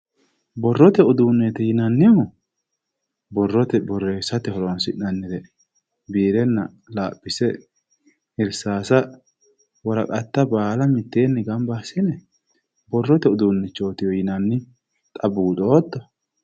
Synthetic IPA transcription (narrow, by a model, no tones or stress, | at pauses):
bɔrːɔt̪ɛʊd̪uːnːet̪ɛjɪnɐnːɪjɔmɔ | bɔrːɔt̪ɛbɔrːe̞ːsɐt̪ɛhɔɾonsɪnɐnːɪd̪ɛ | biːɾɛnːɐ | laːpʼːɪsɛ | ɪɾsaːsɐ | wɔɾɐkʼɐt̪ːɐbaːlɐmɪt̪ːe̞ːnːɛɡɐmbaːsɪnɛ | bɔrːɔt̪ɛʊd̪uːnːɛt͡ʃːo̞ːt̪ɪjɔjɪnɐnːɪ | t̪ʼɐbuːd̪oːt̪ːɔ